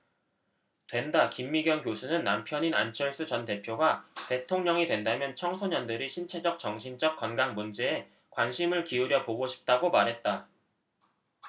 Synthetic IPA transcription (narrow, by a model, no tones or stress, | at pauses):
twe̞ndakimːiɡjʌŋkjosʰunɯnːampʰjʌɲina̰nt͡ɕʰʌɭs͈ut͡ɕʌnte̞pʰjoɡate̞tʰoŋɲʌŋidwe̞ndamjʌnt͡ɕʰʌŋsʰoɲʌndɯɾiɕʰint͡ɕʰe̞d͡ʑʌk̚t͡ɕʌŋɕʰind͡ʑʌk̚k͈wʌnɡaŋmund͡ʑe̞ː | kwanɕʰimɯɭkiuɾjʌpoɡoɕʰi̥p̚t͈aɡomaɾɦe̞t̚t͈a